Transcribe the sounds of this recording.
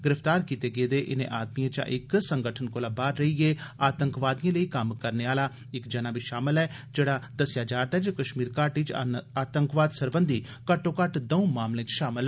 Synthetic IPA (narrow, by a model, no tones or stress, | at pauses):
ɡɪɾəft̪aːɾkiːt̪eːɡeːd̪eːʔɪnḛ̃ʔaːd̪mijãːt͡ʃã̰ʔɪksəŋɡəʈʰənkoːlaːbaːɾɾəiɡeːaːt̪əŋkʋaːd̪ijãːləiːkəmkəɾneːaːlaː | ɪkd͡ʒənaːbiːʃaːməlɛːd͡ʒeːɽaːd̪əsjaːd͡ʒaːɾd̪aːd͡ʒakəʃmiːɾkaːɾʈɪt͡ʃaːt̪əŋkʋaːd̪səɾbə̃nd̪ʱiː | kəʈːõːkəʈd̪əũmaːmlẽːt͡ʃʃaːməlɛː